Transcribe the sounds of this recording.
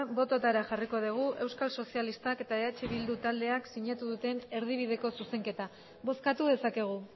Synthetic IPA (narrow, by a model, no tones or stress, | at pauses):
bo̞t̪ot̪aɾaʝariko̞ðuɣ̞uʔe̞wskalso̞sialist̪ake̞t̪aeat͡ʃe̞βild̪ut̪ald̪e̞aksiɲat̪uðut̪e̞ne̞ɾðiβ̞iðe̞ko̞suse̞ŋke̞t̪a | βo̞skat̪uðe̞sake̞ɣ̞u